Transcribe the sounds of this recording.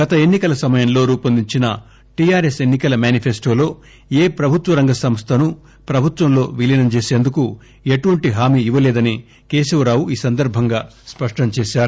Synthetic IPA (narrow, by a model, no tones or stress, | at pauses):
ɡɐt̪ɐe̞nːikɐlɐsɐmɐjɐmlo̞ːɾuːpɐnd̪iɲt͡ʃinɐ | ʈijaːɾe̞se̞nːikɐlɐmjaːnipʰesʈo̞ːlo̞ː | eːpɾɐbʱut̪ʋɐɾɐŋɡɐsɐmst̪ʰɐnu | pɾɐbʱut̪ʋɐmlo̞ːʋilinɐmt͡ʃe̞ːse̞ːnd̪uku | eʈuʋɐɳʈiɦaːmiːiʋɐleːd̪ɐni | ke̞ːsɐʋɐɾaːʋuiːsɐnd̪ɐɾbʱɐŋɡaːspɐʂʈɐmt͡ʃeːʃaːɾu